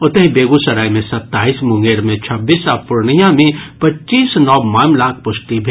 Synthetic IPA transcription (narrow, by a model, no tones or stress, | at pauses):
ʊt̪eɦbeːɡusɐɾaːimẽsɐt̪ːaːiːsmʊ̃ŋɡeːɾmẽt͡ʃʰɐbːiːsapʊɾɳijãmẽpɐtːt͡ʃiːsnɔːbmaːmlaːkʰpʊʃʈibʱ